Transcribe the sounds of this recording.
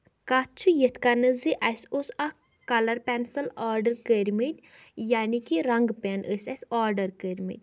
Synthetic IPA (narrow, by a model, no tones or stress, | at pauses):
kat͡ʃʰujet̪ʰkanɨziʔɐsʲosɐ | kɐlɐɾpʲɛnsɐlaːɾɖɐɾkəɾʲmit̪ʲ | jaːnikiɾɐŋɡpenʔəsʲɐsʲaːɾɖɐɾkəɾʲmḭt̪̚ʲ